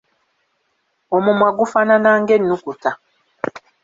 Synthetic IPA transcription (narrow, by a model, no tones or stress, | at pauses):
omumwaɡufananaːŋɡenːukuta